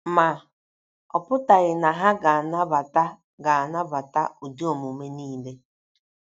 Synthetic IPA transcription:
ma˨ | ɔ̰˨pʊ˦ta˨ɣɪ˨na˨ɦa˦ɡa˨na˦ba˨ta˦ | ɡa˨a˨na˦ba˨ta̰˦u˨di˦o˨mu˨me˦niː˦˨le˦

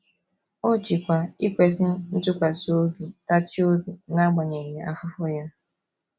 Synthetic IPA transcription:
o˦t͡ʃi˨kʷa˨i˦kʷe˦sɪ˦n̩˦tʊ˦kʷa˨so˦bi˨ta˦t͡ʃi˦o˦bi˨na˦ɡ͡ba˨ɲe˨ɦe˨a˦fʊ˦fʊ˦ja˦

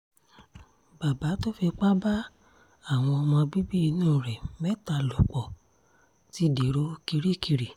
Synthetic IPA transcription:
ba˨ba˨˦to˦fe˧k͡pa˦ba˦ | a˦˨w̃ɔ̃˧ɔ˧mɔ̃˧bi˦bi˦i˧nũː˦˨ɾɛ˨mɛ˦˨ta˨lɔ˨k͡pɔ˨ | ti˨˦de˨ɾo˨˦ki˧ɾi˦ki˧ɾi˨

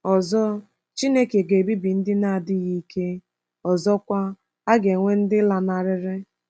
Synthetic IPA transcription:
ɔ˨zɔ˦ | t͡ʃi˦ne˦ke˨ɡe˨bi˦bi˨n̩˦dɪ˦na˦a˨dɪ˦ɣi˦i˦kʰe˦ | ɔ˨zɔ˦kʷa˦ | a˦ɡe˨ŋʷe˦n̩˦dɪ˦la˨na˨ɾɪ˦ɾɪ˦

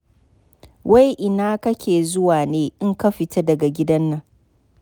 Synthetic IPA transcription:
wʔa˦jʔɪ˨naː˦kɐ˦kʲeː˨zʊ˦waː˨neː˦ʔɪ˦ŋkɐ˦ɸɪ˨ta˦dɐ˨ɡa˨ɡʲɪ˦dɐ˦nːɐ˦˨ŋ

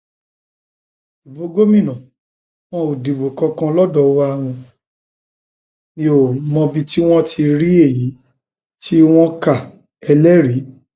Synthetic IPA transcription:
i˨bo˨˦ɡo˦mĩ˦˨nã˨ | w̃ɔ̃˦o˨di˨bo˨kɔ̃˧kã˧lɔ˦dɔ˨wo˧˦a˦˨w̃ɔ̃˧ | nĩ˦o˦˨mɔ̃˧bi˧ti˦w̃ɔ̃˦tʰi˧ɾi˦e˦˨ji˨˦ | ti˦w̃ɔ̃˦ka˦˨ | ɛ˧lɛ˦ɾi˨˦

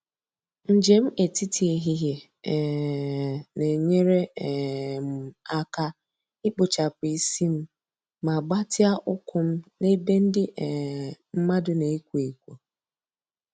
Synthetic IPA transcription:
n̩˨d͡ʒe˨m̩˦ʔe˨ti˦ti˨e˨ɦi˦ɦje˨ | ne˨ɲe˦ɾe˦˨ | m̩˨a˦ka˦ | ɪ˦k͡pʊ˨t͡ʃa˨pʊ˨i˦si˦m̩˦ | ma˨ɡ͡ba˦tɪ˦a˦ʔʊ˦kʊ˦m̩˦ne˦be˦n̩˦dɪ˦˨m̩˦ma˦dʊ˦ne˨i˦kʷu˨e˨kʷo˨

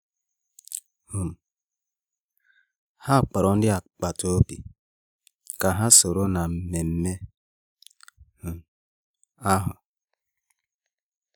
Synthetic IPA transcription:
hu˨m˨ | ha˦˨k͡pa˨ɾɔ˨n̩˦dɪ˦a˨k͡pa˨to˦o˦pḭ˨ | ka˨ɦa˦so˨ɾo˦na˨m̩˨me˨m̩˦me˦ | hu˨m˨ | a˦ɦʊ̰˨

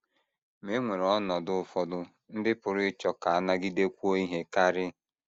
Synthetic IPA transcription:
me˨˦ŋʷe˨ɾɔ˦nɔ˨dʊ˦fɔ˨dʊ˦ | n̩˦dɪ˦pʊ˨ɾʊ˦ɪ˦t͡ʃɔ˨ka˨a˦na˦ɡɪ˦de˦kʷu˦o˦i˦ɦe˦ka˦ɾɪ˦

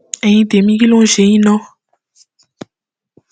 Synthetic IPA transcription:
e˨jĩ˦d̪e˨mĩ˦ɡi˦lõ˦ʒe˨˦ɲĩ˦nɔ̃˦

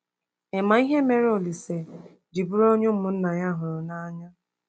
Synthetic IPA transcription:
e˨ma˨i˦ɦe˦me˨ɾe˦o˨li˨se˨ | d͡ʒi˨bʊ˦ɾo˦ɲo˦m̩˦mʊ˨˦n̩˦na˨ɲa˦ɦʊ˨ɾʊ˨na˦ɲa˦

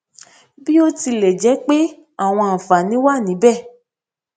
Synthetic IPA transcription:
bi˦o˦ti˧lɛ˨d͡ʒɛ˨˦k͡pe˦ | a˦˨w̃ɔ̃˧a˨fa˨nĩ˨˦wa˦˨nĩ˨˦bɛ˦˨

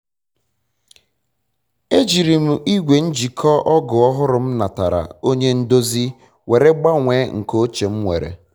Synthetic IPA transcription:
e˦d͡ʒi˨ɾi˨m̩˨i˦ɡʷe˨n̩˦d͡ʒi˨kʰɔ˦ʔɔ˦ɡʊ˨ɔ˦ɦʊ˦ɾʊ˨m̩˦na˨ta̰˨ɾa̰˨o˦ɲe˦n̩˦do˦zi˦ | we˨ɾe˦ɡ͡ba˦ŋʷeː˨˦ŋ̩˨ko˦t͡ʃe˨m̩˦ŋʷḛ˨ɾḛ˨

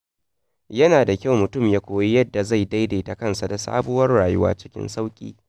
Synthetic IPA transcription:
jɐ˦naː˨da˨kʲa˦˨wmʊ˨tʊ˦˨mjaː˦kʷoː˨ji˦jɐ˦dːa˨za˦˨jda˦jdeː˨ta˨kɐ˦nsa˨da˨sa̰ː˦bʊ˦wɐ˦rɽaː˨jʊ˦wa̰ː˦t͡ʃɪ̥˦kʲɪ̰˦nsa˦wkʲʼḭː˦

